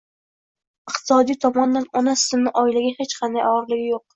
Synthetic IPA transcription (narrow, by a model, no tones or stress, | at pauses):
ɪq̚t̪ʰɪ̥sɒd̪ijt̪ʰɒmɒnd̪anɒnasɪ̥sɪmnɪʔɒɪlaɡʲahet͡ʃqʰɑnd̪ajɒɾlɪɡʲɪjoq̚